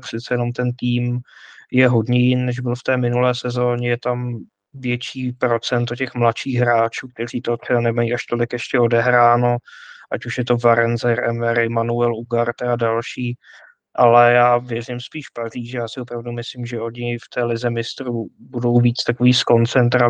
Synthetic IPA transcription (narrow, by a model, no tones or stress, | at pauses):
prɪt͡sɛjɛnomt̪ɛnt̪iːmjɛɦo̞dɲɛjɪnnɛʒbɪlft̪ɛːmɪnulɛːsɛzoːɲɛjɛt̪am | vjɛt͡ʃiːpɾo̞t͡sɛnt̪̬ocɛxmlatʃiːxɦɾaːt͡ʃuːk̚t̪ɛriːt̪ot̪r̥ɛbanɛmajiːʔaʃt̪o̞lɪkjɛʃcɛo̞dɛɦɾaːno̞ʔacuʃjɛt̪o̞vaɾɛnzɛɾɛmɛɾɪmanuɛluɡaɾt̪ɛadalʃiː | ʔalɛjaːvjɛrɪmspiːʃpariːʒjaːsɪʔopɾavdumɪslimʒɛo̞ɲɪft̪ɛːlɪzɛmɪst̪ɾubudo̞wviːt͡st̪akoviːsko̞nt͡sɛnt̪ɾa